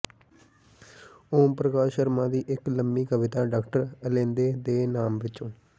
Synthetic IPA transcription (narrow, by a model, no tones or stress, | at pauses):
oːmpɾəkaːʃəɾmãːd̪iːʔɪkləmbiːkəʋɪt̪aːɖaːkʈəɾəlẽːnd̪eːd̪eːnaːmʋɪt͡ʃõː